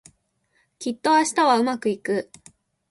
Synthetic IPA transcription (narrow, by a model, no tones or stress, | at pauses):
kʲit̪ːo̞aɕi̥t̪aβaɯ̟makɯ̟ikɯ̟